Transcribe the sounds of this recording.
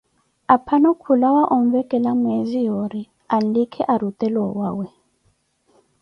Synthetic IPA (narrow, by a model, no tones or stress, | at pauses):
apʰanɔkʰulawaʔɔɱvɛkʼɛlamwezijoɾi | alikʰɛʔaɾut̪ʼɛlɔwaːwɛ